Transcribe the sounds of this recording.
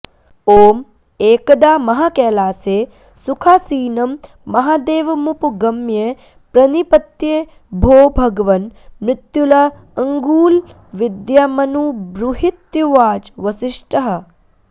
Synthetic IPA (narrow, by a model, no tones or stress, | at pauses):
oːm | eːkɐd̪aːmɐɦakɛːlaːseː | sukʰaːsiːnɐmː | ɐɦaːd̪eːʋɐmupɡɐmje | pɾɐnipɐt̪jeː | bʱoːbʱɐɡɐʋɐnmɾɪt̪julɐ | ɐŋɡuːl | ʋid̪jamɐnubɾuɦit̪juʋaːd͡ʒʋɐsiʂʈɐɦɐ